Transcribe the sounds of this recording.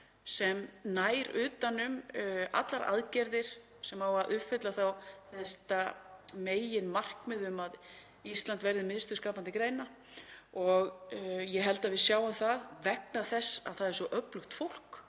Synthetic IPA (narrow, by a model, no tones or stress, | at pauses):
sɛmnaːjɾʏːt̪anʏma̰t̪laɾa̰ðcɛɾðɪɾ̥ | sɛmawaʔʏfɪt̪laθawθɛst̪ameːjjɪnmar̥kmɛðʏmað | ist̪lant̪vɛɾðɪmɪnst̪ʏ̥ɾskaːpant̪ɪkɾeːjna | ɔɣjɛɦɛlt̪aðvɪðsjaːwamθaðvɛk̚naθɛsːa̰ðθaðɛɾ̥sɔʔœplʏxt̪fowl̥k